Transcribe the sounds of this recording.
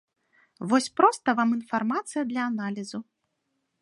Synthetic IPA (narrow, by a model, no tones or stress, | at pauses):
vɔsʲpɾɔst̪ɐvaminfarmat̪sɨjɐd̪lʲɐːnalʲizu